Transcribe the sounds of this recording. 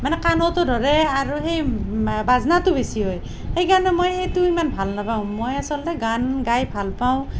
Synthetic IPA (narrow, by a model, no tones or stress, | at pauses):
manekanot̪odʱɔɾeaɾuɦejbad͡znat̪ubesiɦoj | hejɡanemojejt̪ujmanpʰalnapaw̃mojasɔlleɡanɡajpʰalpaw̃